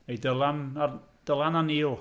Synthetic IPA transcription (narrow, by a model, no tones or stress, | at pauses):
ejdəlˠanad̥əlˠananiːʊl